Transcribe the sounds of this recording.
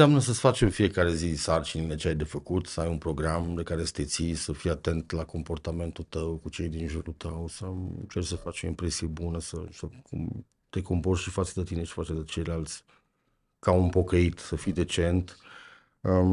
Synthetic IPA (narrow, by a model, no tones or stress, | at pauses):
seamnəsəsfat͡ʃe̞mfije̞kaɾe̞zisart͡ʃinile̞t͡ʃeajd̪e̞fəkut̪səajunpɾo̞ɡɾamd̪e̞kaɾe̞sə̥t̪e̞t̪sisəfijat̪e̞nt̪lako̞mpo̞rt̪ame̞nt̪ult̪əwkut͡ʃe̞jd̪inʒuɾut̪əwsət͡ʃersəfat͡ʃo̞̰impɾesiebunəsəsəkʰum | t̪e̞komporʃifat͡ʃd̪et̪ine̞ʃi̥fat͡ʃed̪et͡ʃe̞jlalt̪sʲ | kaunpo̞kəit̪səfijd̪e̞t͡ʃe̞nt̪ | ə